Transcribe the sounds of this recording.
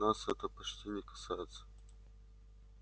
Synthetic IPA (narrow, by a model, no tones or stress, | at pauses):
nasɛt̪əpɐt͡ɕtʲinʲɪkɐ̥sajɪt̪sə̥